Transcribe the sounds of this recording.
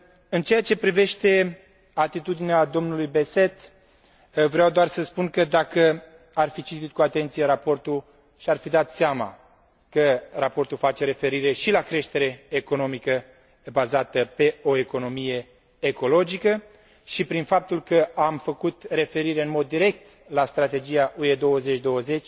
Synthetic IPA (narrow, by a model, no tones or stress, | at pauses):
ɨnt͡ʃeat͡ʃe̞pɾive̞ʃt̪e̞ | at̪it̪ud̪inead̪o̞mnulujbe̞se̞t̪ | vɾeawd̪oarsəspunkəd̪akə | arfit͡ʃit̪it̪̚kuat̪e̞nt̪sijeɾapo̞rt̪u | ʃiarfid̪at̪seama̰ | kərapo̞rt̪ulfat͡ʃe̞ɾe̞fe̞ɾiɾe̞ʃilakɾe̞ʃt̪e̞ɾe̞ːko̞no̞mikə | bazat̪əpe̞o̞eko̞no̞mije̞ː | ko̞lo̞d͡ʒikə | ʃipɾinfap̚t̪ulkəamfəkut̪re̞fe̞ɾiɾe̞ɨnmo̞d̪ːiɾe̞k̚t̪ | last̪ɾat̪e̞d͡ʒijaʔue̞d̪o̞wəze̞t͡ʃʲd̪o̞wəze̞t͡ʃʲ